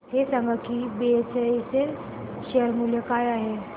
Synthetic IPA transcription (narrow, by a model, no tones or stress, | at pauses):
hesãŋɡəkibiet͡seesel | ɕeəɾmuljəkajaɦe